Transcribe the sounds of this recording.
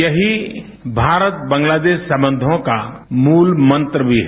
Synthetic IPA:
jɐɦi | bʱaːɾət̪bɐ̃ŋɡlaːd̪eːʃsɐ̃mbə̃nd̪ʱõkamuːlmɐ̃nt̪ɾəbʱiɦ

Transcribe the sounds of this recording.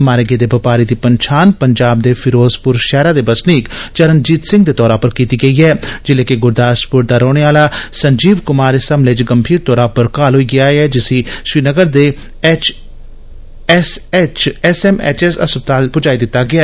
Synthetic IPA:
maːɾeɡeːd̪eːbəpaːɾiːd̪iːpəɲt͡ʃʰaːnpəɲd͡ʒaːb̚d̪eːpʰɪɾoːzpʊɾʃɛːɾaːd̪eːbəsniːkt͡ʃəɾənd͡ʒiːt̪sɪ̃ŋɡd̪eːt̪ɔːɾaːpəɾkiːt̪iːɡəiːɦɛːd͡ʒɪleːkeɡʊɾd̪aːʃpʊɾd̪aːɾoːɽ̃eaːlaːsəɲd͡ʒiːʋkʊmaːɾɪsəmlet͡ʃɡəmbʱiːɾt̪ɔːɾaːpəɾkaːlɦoiːɡɪaːɛːd͡ʒɪsĩːʃɾiːnəɡəɾd̪eː | t͡ʃ | st͡ʃɛsɛːmɛ̰ːt͡ʃɛsə̰sbt̪aːlpʊd͡ʒaːiːd̪ɪt̪ːaːɡɪaː

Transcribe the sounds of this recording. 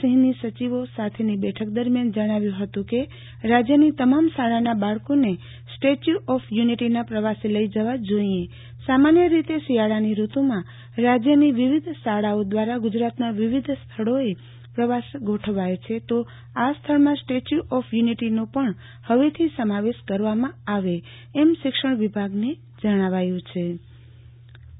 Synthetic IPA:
əɦnisət͡ʃiʋosat̪ʰenibɛʈʰək̚d̪əɾmjand͡ʒəɽ̃aʋjũɦət̪ũke | ɾad͡ʒjənit̪əmamsaɭanabaɭkone | sʈet͡ʃuʔɔfʰjuniʈinapɾəʋaseləid͡ʒəʋad͡ʒoiẽ | samanjəɾit̪esijaɭaniɾut̪omã | ɾad͡ʒjəniʋiʋid̪ʱsaɽaod̪ʋaɾaɡʊd͡ʒɾat̪naʋiʋid̪ʱst̪ʰəɽoe | pɾəʋasɡʱoʈʰəʋajt͡ʃʰet̪o | ast̪ʰəɭmãsʈet͡ʃuʔɔfʰjuniʈinõpəɳ | həʋet̪ʰisəmaʋeʃkəɾʋamãaʋeː | mʃɪkʃəɳʋibʱaɡne | d͡ʒəɽ̃aʋajũt͡ʃʰe

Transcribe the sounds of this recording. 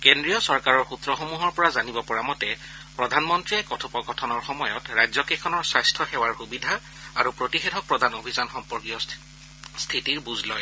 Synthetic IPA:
kendɹijɔsɔɹkaɹɔɹxutɹɔxomuɦɔɹpɔɹazanibɔpɔɹamɔtɛ | pɹɔdʱanmɔntɹiɛkɔtʰupɔkɔtʰɔnɔɹxɔmɔjɔtɹajzɔkɛkʰɔnɔɹsajstʰɔxɛwaɹxubidʱa | aɹupɹotixɛdʱɔpɹɔdʱanobʱizanxɔmpɔɹkijɔ | stʰitiɹbuzlɔj

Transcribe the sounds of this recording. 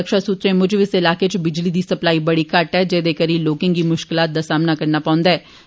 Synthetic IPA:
əkʃasuːt̪ɾẽmʊd͡ʒʱbɪsɪlaːket͡ʃbɪd͡ʒlid̪isɐplaːibɐɽikaːɾʈɦɛd͡ʒɛːd̪eːkɐɾiloːkɪ̃ŋkimʊʃkɪlaːt̪̚d̪asaːmnakɐɾnapãːʊ̃ːnd̪aɛː

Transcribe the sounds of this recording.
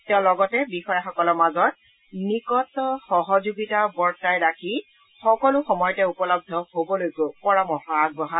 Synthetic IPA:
tɛʊ̃lɔɡɔtɛbixɔjaxɔkɔlɔmazɔt̚ | nikɔtɔxɔɦɔzuɡitabɔɹtajɹakʰi | xɔkɔlʊxɔmɔjɔtɛupɔlɔb̚dʱɔhobɔlojkʊpɔɹamɔxɔaɡ̚bɔɦa

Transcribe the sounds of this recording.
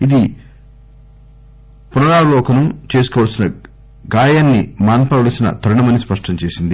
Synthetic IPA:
id̪i | punɐɾaːlɔːkɐnut͡ʃe̞ːs̬u̥kɔːʋɐlsinɐ | ɡaːjaːnːimaːnpɐʋɐɭɐsinɐ̰t̪ʰɐɾɐɳɐmɐnːispɐʂʈɐɲt͡ʃe̞ːsind̪i

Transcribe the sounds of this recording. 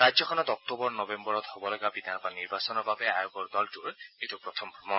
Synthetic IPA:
ɹajd͡ʒzɔkʰɔnɔt̪ɔk̚tobɔɹnɔbembɔɹɔt̪hobɔlɔɡabid̪ʱanbaniɹbasɔnɔɹbʱabeajoɡɔɹdɔltuɹetupɹɔt̪ʰɔmbʱɔmɔ

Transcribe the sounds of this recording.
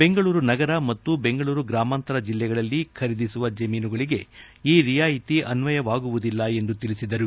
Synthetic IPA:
be̞ŋɡɐɭuːɾunɐɡɐɾɐmɐt̪ːube̞ŋɡɐɭuːɾuɡɾaːmaːnt̪ɐɾɐd͡ʒilːɛɡɐɭɐlːikʰɐɾid̪isuʋɐd͡ʒɐmiːnuɡɐɭiɡe̞ | iːɾijaːjit̪iʔɐnʋɐjɐʋaːɡuʋud̪ilːɐe̞nd̪ut̪iɭisid̪ɐɾu

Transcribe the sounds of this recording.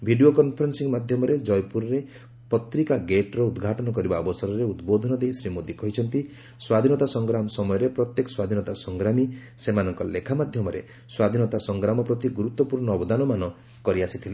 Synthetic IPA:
bʱiɖiokɔnpʰɔɾensiŋmad̪ʱjɔmɔɾed͡ʒɔjpuɾɔɾe | pɔt̪ɾikaɡeʈɾɔud̪ɡʱaʈɔnɔkɔɾibaɔbɔsɔɾɔɾeud̪bod̪ʱɔnɔd̪eɦisɾimod̪ikɔɦit͡ʃʰɔnt̪i | swad̪ʱinɔt̪asɔŋɡɾamɔsɔmɔjɔɾepɾɔt̪jekɔ̥swad̪ʱinɔt̪asɔŋɡɾamisemanɔŋkɔlekʰamad̪ʱjɔmɔɾḛ | swad̪ʱinɔt̪asɔŋɡɾamɔpɾɔt̪iɡuɾut̪ːɔpuɾɳɔːbɔd̪anɔmanɔ | kɔɾiasit̪ʰile

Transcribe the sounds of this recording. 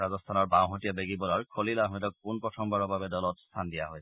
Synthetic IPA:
azɔst̪ʰanɔɹbãw̃ɦɔtijabeɡibɔlaɹkʰolilaɦijdɔk̚kunpɹɔtʰɔmbaɹɔbabɛdɔlɔtst̪ʰandijaɦɔj

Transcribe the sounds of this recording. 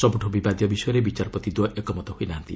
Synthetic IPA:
sɔbuʈʰobibad̪jɔbisɔjɔɾebit͡ʃaɾɔpɾɔt̪id̪wɔʔɔkɔmɔt̪ɔɦoinaːnt̪i

